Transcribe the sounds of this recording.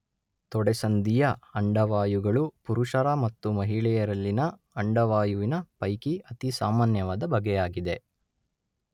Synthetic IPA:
t̪ɔɽɛsɐnd̪ijɐɐɳɖɐʋaːjuɡɐɭupuɾuʂɐɾamɐt̪ːumɐɦiɭɛjɐɾɐlːinɐ | ɐɳɖɐʋaːjuʋinɐpɐjkiɐt̪isaːmaːnjɐʋaːd̪ɐbʱɐɡɛjaːɡid̪e̞

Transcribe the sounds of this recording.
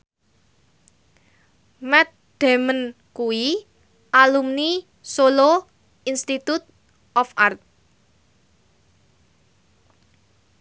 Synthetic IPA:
mɛt̪̚ | d̪̥e̤mən | kui | ʔalumni | solo | inst̪it̪ut̪̚ | ʔɔfart̪̚

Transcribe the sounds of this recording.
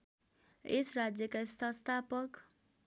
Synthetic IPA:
ḛsrad͡zjʌkast̪ʰʌst̪ʰapʌk

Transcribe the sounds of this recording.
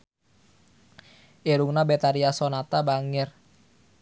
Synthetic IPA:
ʔeɾuŋnabet̪aɾiasonat̪abaŋɪr

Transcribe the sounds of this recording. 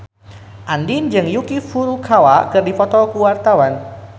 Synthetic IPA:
ʔandind͡ʒɨŋjukifuɾukʰawakɨrdifɔt̪ɔkuwart̪awan

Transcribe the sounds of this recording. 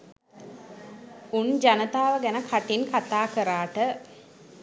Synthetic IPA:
und͡ʒanət̪aːʋəɡænəkʰaʈinkat̪aːkəɾaːʈə

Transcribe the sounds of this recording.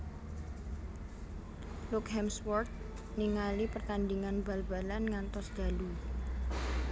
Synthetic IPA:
lukɦɛmswɔrt̪̚ | niŋalipərt̪andiŋanbalba̤lanŋant̪ɔsd̪̥a̤lu

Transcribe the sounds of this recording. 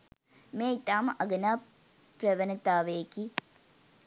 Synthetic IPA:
meːit̪aːmʔɐɡɐnaː | pɾɐʋɐnɐt̪aːʋeːki

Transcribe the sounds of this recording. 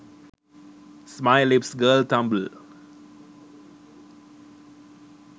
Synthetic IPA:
smaɪlɪpsɡəːlt̪ãmbəl

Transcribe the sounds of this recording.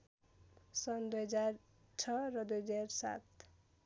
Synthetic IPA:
sʌnd̪ujɦʌd͡zar | t͡sʰʌrʌd̪ujɦʌd͡zarsa̰t̪

